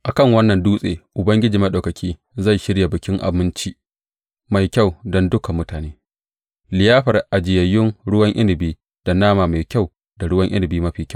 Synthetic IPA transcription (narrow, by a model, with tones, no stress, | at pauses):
ʔa˨kɐ˦˨ŋwɐ˦nːɐ˨nduː˦sʼḛː˨ʔʊ˨bɐ˦ŋɡʲɪ˦d͡ʒiː˨mɐ˦ɗo˨wkɐ˨kʲiː˦ | za˦˨ʃɪ˦ɽja˨bɪ˨kʲɪ˦ŋʔa̰˨bɪ˦nt͡ʃiː˦ | ma˨jkʲɐ˦˨wdɔ˦ndʊ˦ka˨mːʊ˦taː˨neː˦ | lɪ˨jaː˦ɸɐ˨rʔa˨d͡ʒɪ˨jɐ˨jːɪ˦ŋɽʊ˦wɐ˦ŋʔɪ˦nɪ˨biː˦ | d̥a˨naː˦maː˨ma˨jkʲa˦˨w | da˨ɽʊ˦wɐ˦ŋʔɪ̰˦nɪ˨biː˦mɐ˦ɸiː˨kʲɐ˦˨